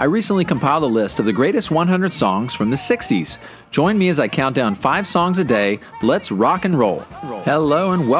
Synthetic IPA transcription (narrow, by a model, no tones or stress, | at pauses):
ʔaɪɹisə̃n̩ʔlikʰə̃m̩pʰaɪlˠd̚əlɪstʌvðɨɡɹeɪɾɨst̚wʌ̃nɦʌ̃ndɹɨd̥sɔ̃ŋz̥fɹʌ̃mðɨsɪkstḭz̥ | d̥ʒ̥ɔ̃ɪ̃nmiɨzaɪkʰãʊ̃nd̥ãʊ̃nfaɪv̥sɔ̃ŋzɨdeɪblɛtsɹɑkɨ̃nɹoʊlˠhɛloʊə̃nwɛ